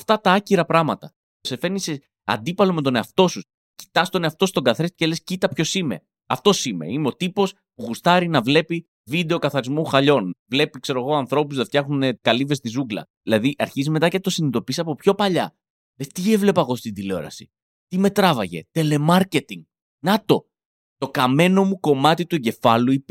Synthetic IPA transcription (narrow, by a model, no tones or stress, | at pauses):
ɐft̪ɐt̪ɐɐciɾɐpɾɐmɐt̪ɐ | se̞fe̞nise | ɐ̰nd̪ipɐlo̞me̞t̪o̞ne̞ɐft̪o̞sus | ci̥t̪ɐst̪o̞neɐft̪o̞st̪o̞ɡɐθɾest̪cele̞scit̪ɐpço̞sime̞̰ | ɐft̪o̞sime̞̰imeo̞t̪ipo̞s | puɣust̪ɐɾinɐvle̞pi | vid̪e̞o̞kɐθɐɾizmuxɐʎo̞nvle̞pikse̞ɾo̞ɣo̞ɐnθɾo̞puzðeft̪jɐxunekɐlivest̪izuɡlɐ̰ðilɐðiʔɐ̰ɾçizime̞t̪ɐcet̪o̞sinit̪o̞pisɐpo̞pço̞pɐʎɐ | lest̪ievle̞pɐɣo̞st̪ind̪ileo̞̰ɾɐ̰si̥̰ | t̪ime̞t̪ɾɐvɐʝe̞̰t̪e̞le̞mɐɾce̞t̪iŋɡ | nɐt̪o̞ | t̪o̞kɐme̞no̞muko̞mɐt̪it̪ue̞ɲɟe̞fɐluip